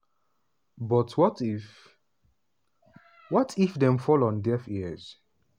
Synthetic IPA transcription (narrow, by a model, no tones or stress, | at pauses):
bɔtʰwɔt | wɔtʰifdɛ̃mfɔlɔ̃ndɛfiɛz̥